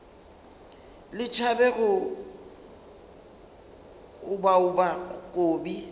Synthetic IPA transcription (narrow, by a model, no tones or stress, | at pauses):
lɪt͡ʃʰabɛɣʊ | ʊbaʊbakʼoːbi